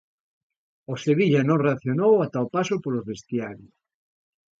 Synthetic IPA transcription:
oseβiʎanõŋreaθjonowat̪aopasopolozβest̪jaɾjos

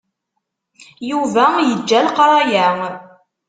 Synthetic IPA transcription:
juvæjəd͡ʒːælqɾˤɑjæŋ

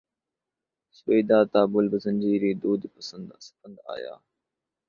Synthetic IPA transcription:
sbeːd̪aːt̪aːbʊlbəzɐ̃nʲd͡ʑiːɾiːd̪oːd̪ipɐsənd̪st̪ənd̪a̰ːja̰ː

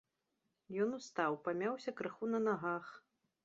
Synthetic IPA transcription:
jɔnust̪awpamʲawsʲɐkɾɨxunɐnaɣax

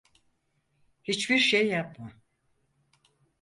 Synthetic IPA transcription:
hit͡ʃbiɾʃejːapma

